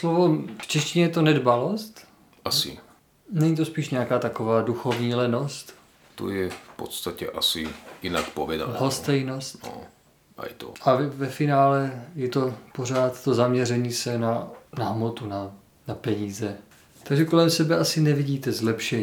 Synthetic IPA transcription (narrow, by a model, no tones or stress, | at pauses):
slovo̞ft͡ʃɛscɪɲɛjɛt̪onɛdbalo̞st̪ | ʔasɪ̰ | nɛɲit̪̬o̞spiːʃɲɛjakaːt̪ako̞vaːduxo̞vɲiːlɛno̞st̪ | t̪o̰jɛffpot̪st̪acɛʔasɪ̰jɪna̰kpovɛda̰ɦost̪ɛjno̞st̪o̰ | ʔa̰jt̪o̰ʔavɛfɪnaːlɛjɛt̪o̞por̝aːt̪t̪ozamɲɛrɛɲiːsɛnanaɦmot̪una | napɛɲiːzɛ | t̪aɡʒɛko̞lɛmsɛbɛasɪnɛviɟiːt̪ɛzlɛpʃɛɲ